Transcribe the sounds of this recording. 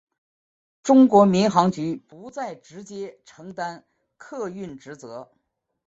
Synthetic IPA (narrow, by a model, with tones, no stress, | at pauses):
ʈ͡ʂʊ˥ŋkwɔ˧˥mi˧˥nxɑ˧˥ŋt͡ɕy˧˥pu˧˥t͡sa˥˩ɪʈ͡ʂɻ̩˧˥t͡ɕjɛ˥ʈ͡ʂʰɤ˧˥ŋt̪a˥n | kʰɤ˥˧y˥˩nʈ͡ʂɻ̩˧˥t͡sɤ˧˥